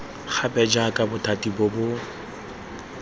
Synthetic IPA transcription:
χʰabɛd͡ʒakʼabʊtʰʼatʼibʊbʊ

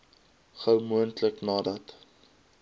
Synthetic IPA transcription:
χəwmuəntləknɑːdɐt

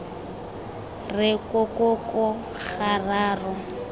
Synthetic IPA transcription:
rɪkʼɔkʼɔkɔ | χaraːrɔ

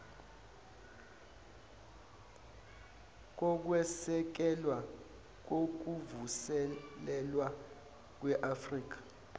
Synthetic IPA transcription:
k̬ɔk̬wɛsɛk̬ɛlwa | k̬ok̬uvusɛlɛlwa | k̬wɛʔafriːk̬ḁ

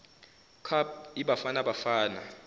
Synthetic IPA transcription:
kʰab̚iɓafanaɓafaːna

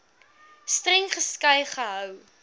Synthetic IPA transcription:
strɛŋχəskɐjχəɦœw

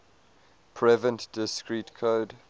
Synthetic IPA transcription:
pʰɹɛvə̃ntd̥ɪskɹitkʰoːd

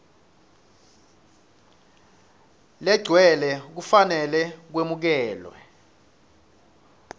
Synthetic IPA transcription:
lɛ̥ɡ͡ǀ̥ʱwɛlɛk̬ufanɛlɛk̬wemuk̬ɛːlwɛ̰

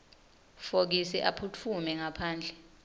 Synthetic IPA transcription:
fok̬isɛʔapʰut͡fʰumɛŋapʰaːnd͡ɮʱɛ

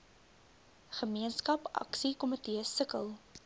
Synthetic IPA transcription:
χəmiənskɐpɐ̰ksikɔmətiəsəkə̰lˠ

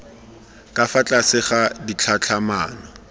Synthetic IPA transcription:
kʼafat͡ɬʼasɪχadit͡ɬʰat͡ɬʰamaːnɔ

